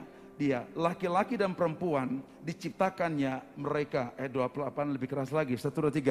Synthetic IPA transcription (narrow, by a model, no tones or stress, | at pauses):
dialakilakidanpəɾəmpuan | dit͡ʃip̚t̪akanɲaməɾekaʔɛdoapəlapanləbɪhkəɾaslaɡisat̪uɾat̪iɡa